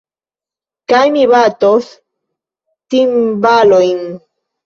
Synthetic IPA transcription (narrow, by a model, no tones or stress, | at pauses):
kajmɪβat̪os | t̪imbalojŋ